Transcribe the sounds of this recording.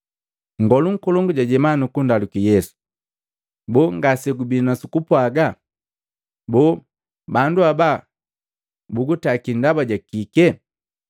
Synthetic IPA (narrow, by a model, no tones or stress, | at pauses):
ŋ̩ɡɔluŋ̩kɔlɔŋɡuɟaɟɛmanukundalukijɛsu̥ | bɔŋɡasɛɡubinasukupwaɡa | bɔ | banduaba | buɡutakindabaɟakikɛ